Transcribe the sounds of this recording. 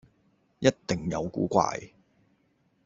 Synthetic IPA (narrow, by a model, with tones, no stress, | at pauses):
jɐ˥t̚t̪ɪ˨ŋjɐ˨˧wkuː˨˥kʷa̰ː˧j